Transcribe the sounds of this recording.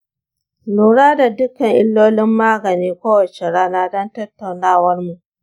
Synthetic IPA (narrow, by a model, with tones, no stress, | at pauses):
luː˨ɽaː˦da˨dʊ˦kɐ˨ŋʔɪ˦lːoː˦lɪ˦mːaː˦ɡɐ˨niː˦kʷoː˦wɐ˨t͡ʃe˨ɽaː˦naː˦dɔ˦ntɐ˦tːa˨wnaː˦˨wɐ˦rmu˨ʔ